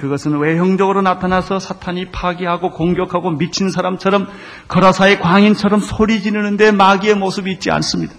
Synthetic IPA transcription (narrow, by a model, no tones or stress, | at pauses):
kɯɡʌsʰɯnwe̞ɦjʌŋd͡ʑʌɡɯɾonatʰanasʰʌsʰatʰaɲipʰaɡiɦaɡokoŋɡjʌkʰaɡomit͡ɕʰinsʰaɾamt͡ɕʰʌɾʌm | kʌɾʌsʰaekwaŋint͡ɕʰʌɾʌmsʰoɾid͡ʑinɯnɯnde̞maɡie̞mosʰɯbiːt̚t͡ɕ͈ia̰ns͈ɯmɲidḁ